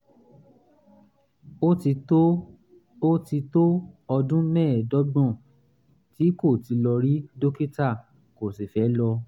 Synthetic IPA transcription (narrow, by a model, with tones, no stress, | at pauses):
o˦ti˧to˦ɔ˧dũ˦mɛ̃ː˦˨dɔ˨˦ɡ͡bɔ̃˦˨ | ti˨˦ko˦˨ti˨˧lɔ˧ɾi˦do˦ki˦ta˦˨ | ko˨si˨fɛ˨˦lɔ˧